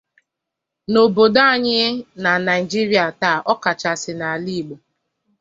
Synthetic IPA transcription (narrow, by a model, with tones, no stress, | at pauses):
no˨bo˨da˦a˦˨ɲɪ˦na˨na˨i˨d͡ʒi˦ɾi˦a˨ta˨ʔɔ˦ka˨t͡ʃa˨sɪ˨na˨li˦˨ɡ͡bo˨